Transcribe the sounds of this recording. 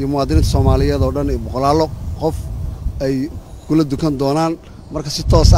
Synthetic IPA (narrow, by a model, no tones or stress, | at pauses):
jɔmʊwaːd̪ɪnɪnt̪ʰsɔːmaːlɪjɛːðɔːɖɐnɛbɔqɔlaːlɔqɔfɛjkʰʊlɐd̪ʊkʰɐnd̪ɔːnaːn | mɐrkʰɐsɪt̪ʰɔːsɐ